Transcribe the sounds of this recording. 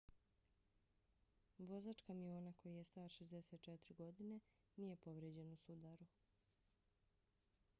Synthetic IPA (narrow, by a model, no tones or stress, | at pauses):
ʋo̞zat͡ʃkamio̞ːnako̞jije̞st̪aːɾʃezd̪eset̪̚t͡ʃet̪ɾiɡo̞d̪ine̞ | nije̞po̞ʋɾed͡ʑe̞nusud̪aɾu